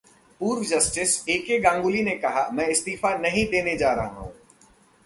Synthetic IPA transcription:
puːɾʋd͡ʒɐsʈɪseːkeɡãːŋɡʊlinekɐɦa̰mɛ̃ːɪst̪iːfanɐɦĩd̪eːned͡ʒaːɾɐɦaɦṵ̃ː

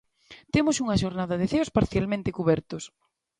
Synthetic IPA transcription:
t̪emʊsuŋɐʃoɾnaðɐðeθeospaɾθjalmẽnt̪ekuβɛɾt̪os

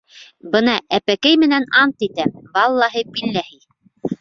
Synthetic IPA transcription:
bɤnɑʔæpækæjmɘ̆nænɑnt̪it̪æbɑlˠːɑɦɤpilːæhij

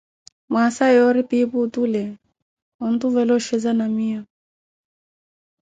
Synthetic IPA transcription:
masajɔɾipiput̪ulɛ | ɔnt̪uvɛlɔʃɛzanamia

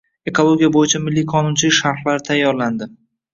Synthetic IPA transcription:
e̞kolˠo̞ɡʲijabojɪt͡ʃʰamɪlːikʰɒnʊnt͡ʃʰɪlɪkʲʃaɾχlaɾɪt̪ʰajːɒɾland̪ɪ

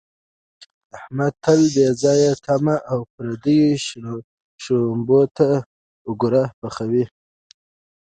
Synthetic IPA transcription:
ahmad̪̚t̪ʰalbezɑjat̪ʰamaʔawpɾad̪əji | ʃombot̪a | ʊɡuɾapaxawi

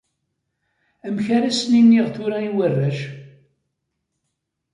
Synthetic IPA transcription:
æmçaɾæsninːiʁθʊɾaiwərːæʒ

